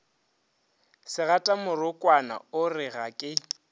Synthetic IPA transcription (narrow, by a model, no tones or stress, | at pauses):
sɪɣatʼamʊrʊkʼwana̰ʊrɪɣakʼɪ